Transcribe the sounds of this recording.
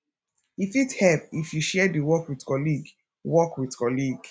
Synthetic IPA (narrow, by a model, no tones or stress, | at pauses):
ifithɛp̚ifjuʃɛdiwɔkwidkɔliɡ | wɔkwidkɔliɡ